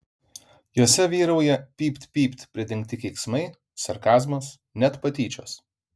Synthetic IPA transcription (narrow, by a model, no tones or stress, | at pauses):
joːsʲɛʋʲiːɾɐʊjɛpʲiːpʲt̪ʲpʲiːpʲt̪ʲpʲɾʲɪd̪ʲɪŋʲk̚t̪ʲɪkʲɛɪksmɐɪ | sɐɾkɑːzmoːs | nʲɛt̪pɐt̪ʲiːt͡ʃʲoːs